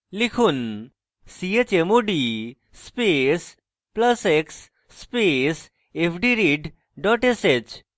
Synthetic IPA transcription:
likʰuːn | siet͡ɕemoɖi | spes | pləseksː | pes | epʰɖiɾiɖ | ɖɔʈeset͡ɕ

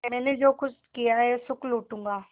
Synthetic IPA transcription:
mɛ̃ːned͡ʒoːkʊt͡ʃʰkijaɦɛsʊkluːʈũːŋɡaː

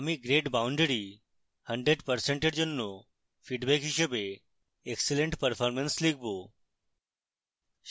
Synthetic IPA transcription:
amiɡɾeʈbauɳɖeɾi | həɳɖɾeɖpəɾseɳʈeɾd͡ʒonːo | fʰiɖbekɦiʃebe | ekseleɳʈpəɾpʰɔɾmenslikʰbo

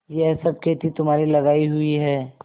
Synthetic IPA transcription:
jɛɦsɐb̚kʰeːt̪it̪ʊmɦaːɾilɐɡaːiɦʊiɦɛː

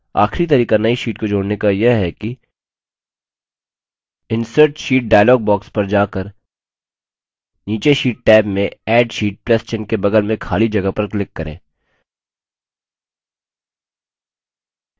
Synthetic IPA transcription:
a̰ːxʰɾit̪ɐɾiːkanɐiʃiːʈkod͡ʒoːɽnekajeɦɛki | ɪ̃nsəɾʈʃiːʈ̚ɖaːjlɔːɡ̚bɔːkspɐɾd͡ʒaːkəɾ | niːt͡ʃeʃiːʈʈɛːbmẽɛːɖʃiːʈ̚plɐst͡ʃɪnkebɐɡəlmẽkʰaːlid͡ʒɐɡəpɐɾklɪkːɐɾḛ̃ː

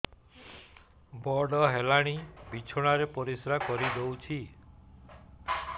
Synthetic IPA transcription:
bɔɖɔɦelaɽ̃ibit͡ʃʰɔɽ̃aɾepɔɾisɾakɔɾid̪owt͡ʃʰi

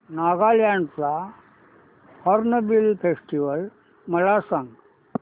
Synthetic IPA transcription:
naːɡaːljaɳpla | ɔɾnəʋilpʰesʈiʋəl | mɐlasãŋɡ

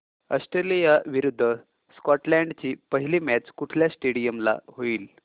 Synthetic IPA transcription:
əsʈɾelijaʋiɾud̪ʱːə | skɔʈlɛɳɖt͡ɕiːpəɦiliːmæt͡ɕkuʈʰljasʈeɽijəmla̰ɦoiːl

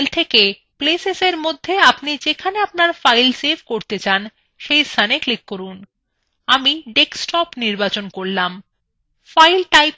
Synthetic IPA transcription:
lt̪ʰeke | pleseseɾmod̪ʱːeapnid͡ʑekʰaneapnaɾfajlsebkoɾt̪et͡ɕan | ʃejst̪ʰaneklikːoɾun | amiɖeksʈɔpniɾbat͡ɕonkoɾlam | fajlʈajp

